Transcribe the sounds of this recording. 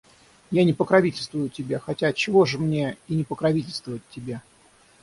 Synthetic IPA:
janʲɪpəkɾɐvʲitʲɪlʲst̪vʊjʊtʲɪbʲaxɐtʲat̚t͡ɕɪvo̞ʐɨmnʲe̞inʲɪpəkɾɐvʲitʲɪlʲst̪vʊvɪt̚ʲːɪbʲa

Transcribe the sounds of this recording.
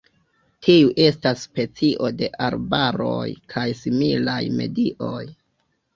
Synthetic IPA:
tʰiuʔe̞stasːpe̞t͡siʔo̞de̞ʔaɾbaɾo̞̰jkʰajsimilajme̞̰diʔo̞j

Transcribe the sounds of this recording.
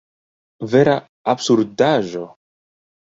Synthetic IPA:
ve̞ɾa | absuɾdaʒo̞

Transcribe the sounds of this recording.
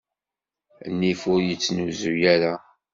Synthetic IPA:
nːifʊɾjət͡sːnuzujæɾa

